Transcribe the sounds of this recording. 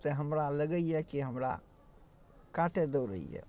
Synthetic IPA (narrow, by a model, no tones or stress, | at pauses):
t̪eɦəmɾaləɡəijekiɦəmɾa̰ | kaʈed̪əwɾə̰ḭjḛ